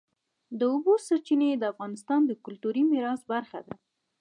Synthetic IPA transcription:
d̪əʊbosaɾt͡ʃined̪əafɣɑnɪst̪ɑnd̪əkʊlt̪uɾimɪɾɑsbaɾxa̰d̪a̰

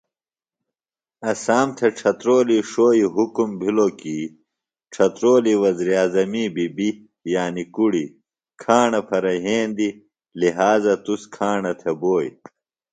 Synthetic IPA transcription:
ɐsaːmt̪ʰeʈ͡ʂʰɐt̪ɾoːliʂoːiɦukumbʱilokiː | ʈ͡ʂʰɐt̪ɾoːliwɐziɾiaːzɐmibibi | jaːnikuɽi | kʰaːɳɐpʰɐɾɐɦeːnd̪i | liɦaːzɐt̪uskʰaːɳɐt̪ʰeboːj

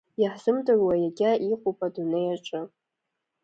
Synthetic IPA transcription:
jaħz̥ɨmtʼɨrwajaɡʲaʔiqʼupʼadunejaʈ͡ʂʷʼɨ

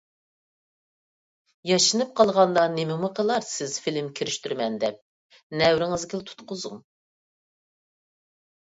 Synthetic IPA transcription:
jɑʃɨnɨp̚qʰɑlˠʁɑnd̪ɑnemɪmuqʰəlˠɑɾsɪz̥filɪmkʲʰiɾɪʃt̪yɾmɛnd̪ɛp̚ | nɛwɾɪŋɪzɡʲilt̪ʰu̥t̪qʊzʊŋ

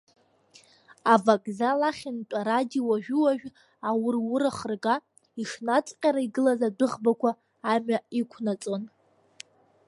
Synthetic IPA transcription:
avakʼzalaχʲɪntʼaɾadiwaʒᶣʊwaʒᶣ | awʊrwʊɾaχərɡa | iʂnat͡sʼqʲʼaɾaiɡɨlazadɨʁbakʷʰaː | maikʷʰnat͡sʼo̞n

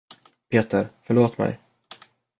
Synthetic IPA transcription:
pʰeːt̪əɾfœɭoːt̪mɛ̰j

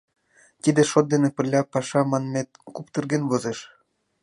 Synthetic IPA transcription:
t̪id̪ĕʃot̪̚d̪enĕpɘ̆rlʲɑpɑʃɑmɑnmʲet̪̚kupt̪ɤ̆rɡenvozeʃ

